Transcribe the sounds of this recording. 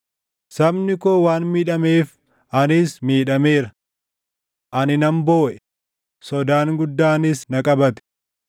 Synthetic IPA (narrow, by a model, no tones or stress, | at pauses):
sɐbnɪkoːwaːnmiːᶑɐme̞ːf | ʔɐnɪsmiːᶑɐme̞ːɾɐ | ʔɐnɪnɐmbo̞ːʔɛ | sɔd̪aːŋɡʊd̪ːaːnɪsnɐkʼɐbɐt̪ɛ̥